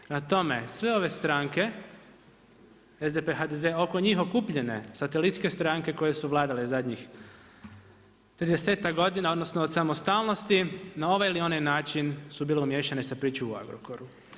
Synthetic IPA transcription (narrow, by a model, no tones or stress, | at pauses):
nat̪o̞me̞sʋeo̞ʋe̞st̪ɾaŋke̞ | ezd̪epeɦad̪ezeo̞koɲixo̞kupʎe̞ne̞̰sat̪elit̪ske̞st̪ɾaŋke̞ko̞jesuʋlˠaːd̪alezad̪ɲix | t̪ɾid̪e̞seːt̪akɡo̞d̪inao̞d̪no̞snoːd̪samost̪aːlˠno̞st̪inao̞ʋajilio̞najnaːt͡ʃinsubiːleumje̞ːʃanesapɾiːt͡ʃoua̰ɡɾo̰koɾu